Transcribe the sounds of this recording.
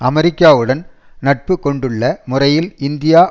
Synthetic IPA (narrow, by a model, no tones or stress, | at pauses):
ɐmɛɾɪkːaːʋɯɽɐn | nɐʈ̚pɯkːɔɳɖɯɭːɐmʊrɐjɪlɪnd̪ɪjaː